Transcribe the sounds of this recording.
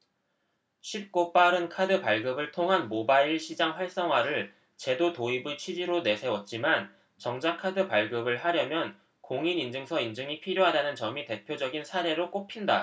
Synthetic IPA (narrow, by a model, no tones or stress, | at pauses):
ɕʰip̚k͈op͈aɾɯnkʰadɯpaɭɡɯbɯɭtʰoŋɦanmobaiɭɕʰid͡ʑaŋɸwaɭs͈ʌŋɦwaɾɯɭ | t͡ɕe̞dotoibɯt͡ɕʰid͡ʑiɾone̞sʰe̞wʌt̚t͡ɕ͈iman | t͡ɕʌŋd͡ʑakʰadɯpaɭɡɯbɯɭhaɾjʌmjʌn | koŋinind͡ʑɯŋsʰʌind͡ʑɯŋipʰiɾjoɦadanɯnt͡ɕʌmite̞pʰjod͡ʑʌɡinsʰaɾe̞ɾok͈opʰinda